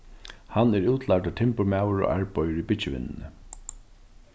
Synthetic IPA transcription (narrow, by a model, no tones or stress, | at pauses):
hanɛɾuːt̪ʰlaʈ̪aʈ̪ʰɪmpʊɾmaːwəɹo̰ːʔa̰ɹpɔjəɾipɪt͡ʃɪʋɪ̰nːnə